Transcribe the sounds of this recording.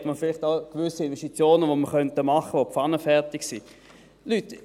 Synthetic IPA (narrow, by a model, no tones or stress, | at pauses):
tməfɪlɪχtaʊkvʏsiɪnvɛʃtit͡sjoːnəvoməʁχœntəmɑχəʋopfɑnəfɛʁtɪksi | lyt